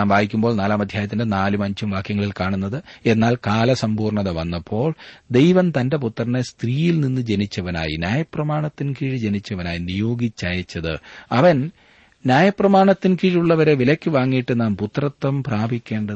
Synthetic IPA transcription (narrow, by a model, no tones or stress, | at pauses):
aːmbʱaːbikʲːumboːɭnaːlaːmɐd̪ʱjaːjɐt̪ːindenaːlumɐɲt͡ɕumʋaːkʰjɐŋːɐɭilkaːɳunːɐðɨe̞nːaːlkaːlɐsɐmbuːrɳɐðɐʋɐnːɐpʰːo̞ːɭd̪e̞jʋɐmt̪ɐnde̞p̬ut̪ːrɐnːest̪riːjilninːɨd͡ʑe̞nit͡ɕːɐʋɐna̰ːjḭnʲjaːjɐprɐmaːɳɐt̪ːinkiːɻid͡ʑenit͡ɕːɐʋɐnaːjinijo̞ːɡit͡ɕːɐjɐt͡ɕːɐðɨ̰ɐʋɐn | nʲjaːjɐprɐmaːɳɐt̪ːinkiːɻuɭːɐʋɐɾe̞ʋilɐkʲːɨʋaːŋːijiʈːɨnaːmput̪rɐt̪ːɐmpraːbʱikʲːe̞ːɳɖɐ